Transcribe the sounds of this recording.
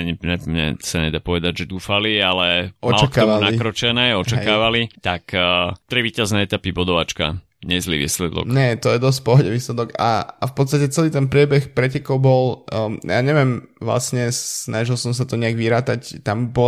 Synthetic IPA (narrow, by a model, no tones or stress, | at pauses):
ɲiɲɛmɲɛ̰saɲɛd̪aːpɔʋɛd̪aɟʒɛd̪uːfalialɛɔmat͡ʃlaktaɔʋalnaikkɾɔt͡ʃɛnɛːɔt͡ʃakaːʋalit̪akt̪ɾiʋiːcaznɛɛt̪apibɔd̪ɔʋat͡ʃka̰ | ɲɛzlḭʋḭːslɛd̪ɔ̰kɲɛt̪ɔjɛd̪ɔs̬c̚pɔɦɔɟɛʋiːslɛd̪ɔka̰afpɔt̪st̪acɛt͡sɛliːt̪ɛnpɾɪɛbɛxpɾɛcɛkɔʊbɔlja̰ːɲɛʋɪɛmʋla̰sɲɛsnaʒilsɔms̬at̪ɔɲɛaɡʋiɾaːt̪act̪ambɔ